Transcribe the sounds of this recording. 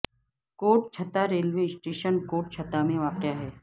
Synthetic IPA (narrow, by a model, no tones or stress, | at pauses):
koːʈ̚t͡ʃʰɐt̪aɾeːlʋesʈeːʃənkoːʈ̚t͡ʃʰɐt̪amẽʋaːqjaɦɛː